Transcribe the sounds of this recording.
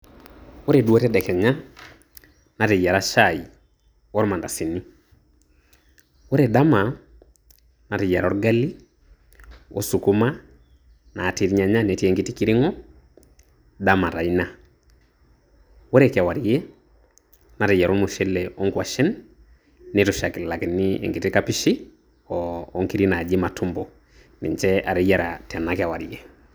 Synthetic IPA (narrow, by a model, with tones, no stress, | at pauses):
o˦ɾe˨dwo˦tɛ˦dɛ˨kɛ˨ɲa˦ | na˨ɾe˨ja˨ɾa˦ʃai | o˦ɾma˨nda˨si˨ni˦ | o˦ɾeda˦ma˨ | na˨ɾe˨ja˨ɾɔ˦ɾɡali˦ | o̰˦su˨ku˦ma˦ | naː˨ti˨ɾi˦ɲaɲa˦ne˨tɛŋɡi˦ti˦ki˦ɾe˦ŋɔ˦ | da˦ma˨ɾa˨ina˦ | wɔ˦ɾɛka˨wa˨ɾje˦ | na˨ɾi˨ja˨ɾo˦nmu˨ʃɛ˦leɔ˦ŋɡwa˨ʃɛ˦nː | ɪtʊʃa˨kɪ˨lla˨kɪnːɪɛ̰˨ŋɡi˨tikapi˦ʃi˦ | ɔː˦ŋki˦ɾi˦na˨d͡ʒɪ˦ma˨tʰu˦mbɔ˨ | nḭ˨ɲt͡ʃɛa˨ɾi˦ja˦ɾa̰ta˨na˦kɪa˨wa̰˨ɾje˦